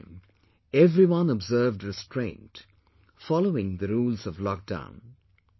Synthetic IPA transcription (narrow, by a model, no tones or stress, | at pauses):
m | ɛvɾiwʌ̃nɔbzɜ˞vdɹɨstʰɹẽɪ̃nt | fɑloɪ̃ŋðɨɾuːlˠzʌvlɔk̚d̥ã̰ʊ̃n